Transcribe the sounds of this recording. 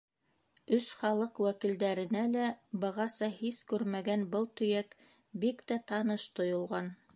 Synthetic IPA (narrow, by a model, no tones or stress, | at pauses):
ɵsχɑlˠɤqwækild̪æɾɘ̆nælæbɤ̆ʁɑsɑhiskʉɾmæɡænbɤlˠt̪ɵ̆jæk | bikt̪æt̪ɑnɤʃt̪ŏjŏlˠʁɑn